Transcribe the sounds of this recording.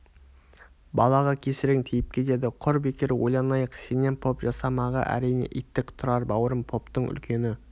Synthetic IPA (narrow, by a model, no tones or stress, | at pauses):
bɑlˠɑʁɑkʲʰe̞sɪɾɪŋt̪ʰijɪp̚kʲʰe̞t̪e̞d̪ɪqʰʊɾbe̞kʲeɾwojlˠɑnɑjəqsene̞npʰo̞pʒɑsɑmɑʁɑ̰ʔæ̰ɾijnḛʔḭjt̪ːɪkt̪ʰʊɾɑɾbɑwəɾəmpʰo̞pt̪əɴʔʏ̰lkʲʰe̞nɪ